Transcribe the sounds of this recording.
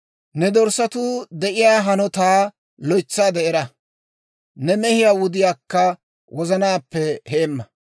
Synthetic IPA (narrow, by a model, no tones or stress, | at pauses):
nɛd̪ɔɾsɐt̪ʊd̪ɛʔɪjaːɦɐnɔt̪aː | lɔjt͡sːaːd̪ɛɛɾɐ | nɛmɛhɪjaːwʊd̪ɪjaːkːɐ | wʔɔzɐnaːpːɛheːmːɐ